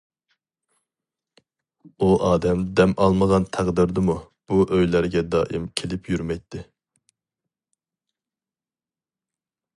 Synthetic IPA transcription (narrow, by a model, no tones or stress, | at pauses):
uʔɑːd̪ɛmd̪ɛmʔɑlˠməʁɑnt̪ʰæʁd̪ɪɾd̪ɨmu | b̥uʔøjlæɾɡʲɛd̪ɑːʔimkʲʰelɪpjyɾmɛjt̪ʰːɪ